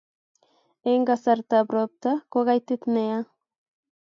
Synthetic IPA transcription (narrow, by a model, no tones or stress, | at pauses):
ejŋɡasaɾt̪abɾop̚t̪akoɣajt̪it̪mea